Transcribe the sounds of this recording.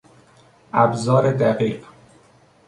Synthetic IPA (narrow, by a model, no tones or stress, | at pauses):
ʔæbzɒːɾed̪æɢiːɢ